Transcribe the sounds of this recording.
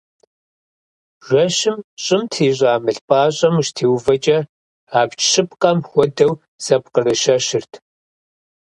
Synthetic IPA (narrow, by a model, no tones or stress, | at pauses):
ʒɐɕɪmɕʼɪmtʰiːʑʷʼaːmɨɬpʼaːɕʼɐmʃtʰeːwvɐt͡ʃʼɐ | aːpt͡ʃʃɨɪpqʼɐmxʷɔdɐw | z̥ɐpqərɨʃɐɕɪrtʰ